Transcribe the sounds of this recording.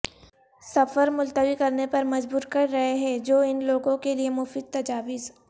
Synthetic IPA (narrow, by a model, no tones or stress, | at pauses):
sɐfəɾmʊlt̪əʋikɐɾnepɐɾmɐd͡ʒbuːɾkɐɾːɐɦeɦɛ̃d͡ʒoːɪnloːɡõkeliemʊfiːd̪̚t̪ɐd͡ʒaːʋɪz